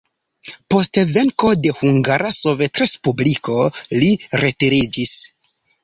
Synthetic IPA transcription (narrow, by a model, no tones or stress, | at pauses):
po̞stve̞ŋko̞de̞huŋɡaɾaso̞ve̞tɾe̞spubliko̞liɾe̞tiɾid͡ʒis